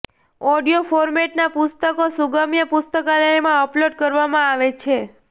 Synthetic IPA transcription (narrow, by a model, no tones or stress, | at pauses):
oɖijofoɾmeʈnapʊst̪əkosuɡamjəpust̪əkaɾəemãəploɖkəɾʋamãaʋet͡ʃʰe